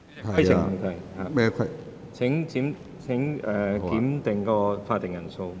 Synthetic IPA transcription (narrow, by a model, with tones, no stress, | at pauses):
ɐ˥jsʰɪ˨ŋm˨˩kʰɐ˧˩haː˨˩ɛ˥˧kʰ | t͡sʰɪ˨˥ŋt͡siː˨˥m | t͡sʰɪ˨˥ŋɛː˨˩kiː˨˥mt̪ɪ˨˩ŋkɔː˧faː˧t̪ɪ˨˩ŋjɐ˨˩nso˧w